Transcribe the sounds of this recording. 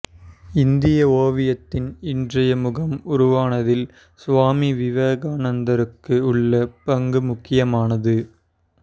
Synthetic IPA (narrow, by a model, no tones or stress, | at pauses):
ɪnd̪ɪjɐoːʋɪjɐt̪ːɪnɪndrɐjɐmʊɣɐmʊɾʊʋaːnɐðɪl | sʋaːmiʋɪʋeːɣaːnɐnd̪ɐɾɯkːɯʊɭːɐpɐŋɡɯmʊkːɪjɐmaːnɐðɯ